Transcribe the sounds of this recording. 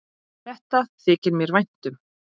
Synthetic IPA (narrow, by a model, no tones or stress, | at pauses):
θɛht̪aθɪːcɪɾmjɛɾvajn̥t̪ʏm